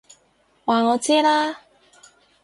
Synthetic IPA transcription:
waː˨˩ŋɔː˨˧t͡sɛː˦˥laː˥

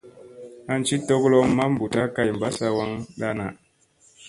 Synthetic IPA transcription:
a˨n˦t͡ʃi˦tɔ˦ɡlɔ˦mmːa˦m̩˨bu˨ta˦ka˦jm˨ba˦sa˦wa˦ŋɗa˦na˨

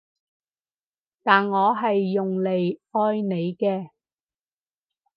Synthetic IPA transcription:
t̪aː˨nŋɔː˨˧ɦɐ˨jːʊ˨ŋle˨jʔɔː˧˥jne˨˧jkɛː˧

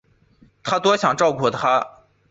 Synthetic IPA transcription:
t̪ʰa˥t̪wɔ˥ɕjɑ˨˩ŋʈ͡ʂɑ˥˧ʊkʰwɔ˥˩d̪ət̪ʰa˥

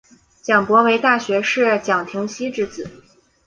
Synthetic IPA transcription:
t͡ɕjɑ˨˩ŋpwɔ˧˥we˧˥ɪt̪a˥˩ɕɥɛ˧˥ʂɻ̩˥˩t͡ɕjɑ˨˩ŋt̪ʰi˧˥ŋɕi˥ʈ͡ʂɻ̩˧˥t͡sɹ̩˨˩˦

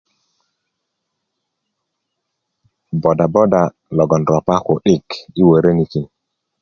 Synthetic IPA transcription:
bɔ˨da˨bɔ˦da˨ | lɔ˨ɡɔ˨nɾɔ˨pa˦ko˨ɗi˦˨ki˦wə˨ɾe˦ni˨ki˨n

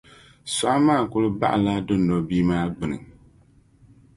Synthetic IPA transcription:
sa˨˦maː˦˨kʊ˦lɨ˦ba̰˦ʔla˦dɨ˦nɔ˨biː˦maː˦ɡ͡bɨ˨nɨ̰˨ŋ

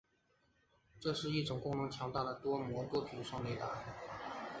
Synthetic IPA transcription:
ʈ͡ʂɤ˥˧ʂɻ̩˥˧i˥˩ʈ͡ʂʊ˨˩ŋkʊ˥˩ŋnʰʊ˧˥ŋt͡ɕʰjɑ˧˥ŋt̪a˥˩d̪ə˩t̪wɔ˥mwɔ˧˥t̪wɔ˥t̪ʰi˧˥ʂɑ˥˧ŋle˥˩ɪt̪a̰˧˥

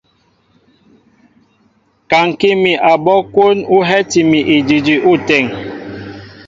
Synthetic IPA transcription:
ka˨ŋ˨ki˦mi˨ʔa˨bɔ˦kwo˦nu˦ɦɛ˦ti˨mi˨ʔe˨d͡ʒi˨d͡ʒi˨ʔu˦˨tɛ˦˨ŋ

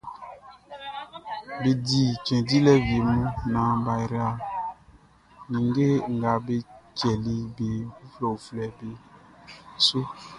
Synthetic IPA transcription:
be˨di˨t͡ʃɛ̃˨di˦lɛ˦vi˨e˨mũ˦nã˨ba˨ɾa˨ | nĩ˨ŋ˦ɡe˦˨ŋ̩˨ɡa˨be˦t͡ʃɛ˨li˦be˨ku˦flɔ˨o˨flɛ˨be˨ | so˦

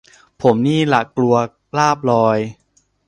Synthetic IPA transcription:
pʰo˩˦mniː˥˩la˨˩klu˧ɐ | laː˥˩p̚lɔː˧j

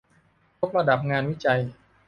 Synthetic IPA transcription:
jʰo˦˥p̚ɾa˧da˨˩p̚ŋaː˧nwi˦˥t͡ɕa˧j

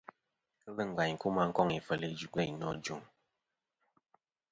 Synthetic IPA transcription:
kə˦lə˦˨ŋ̩˨ɡa˨ɲ˨ku˦ma˦ŋ̩˦kɔ˦ŋi˨fə˨li˨d͡ʒu˨ɡɛ˦˨ɲnɔ˦˨d͡ʒu˨˦ŋ

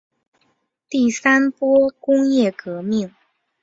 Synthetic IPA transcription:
t̪i˥˩sa˥npwɔ˥kʊ˥ŋjɛ˥˩kɤ˧˥mi˥˩ŋ

